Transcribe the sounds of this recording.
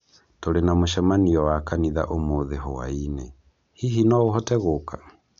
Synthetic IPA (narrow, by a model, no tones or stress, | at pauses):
toɾenamoʃɛmaniɔwakaniða̰ʔomoðeɦowa̰inḛ | hiɦinɔoɦɔtɛɣoka